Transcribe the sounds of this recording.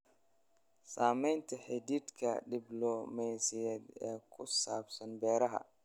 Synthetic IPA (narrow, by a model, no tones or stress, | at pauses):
saːmɛjnt̪ʰɐħɛd̪id̪kʰɐ̰ɗɪblɔmɛsijɛd̪ɛːkʰʊsaːbsɐnbɛːɾɐɦɐ̰